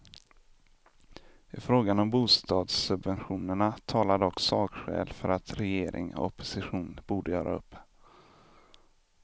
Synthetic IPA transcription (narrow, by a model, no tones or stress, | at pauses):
ɪfɾoːɡanɔmbuːst̪ɑːd̪sːɵbvɛnɧuːnəɳat̪ʰɑːlad̪əɔksɑːkɧɛ̰ːlfœɾat̪ɾɛjeːɾʔɪ̰ŋɔ̰ɔpːʊ̥sɪɧuːnbuːɖəjœːɾʔa̰ɵpː